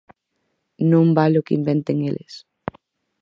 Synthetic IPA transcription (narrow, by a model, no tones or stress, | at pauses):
nõmbalʊkɪḭmbent̪eŋelʔes